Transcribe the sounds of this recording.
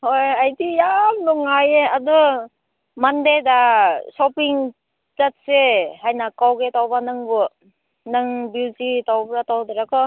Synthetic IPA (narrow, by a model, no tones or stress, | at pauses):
hojajtijamnɔŋajeadɔ | mandedasɔpiŋ | zat̚sehajnakawɡetawbanɯŋbɯ | nɯŋbilzitawbɾatawdɯɾakʰɯ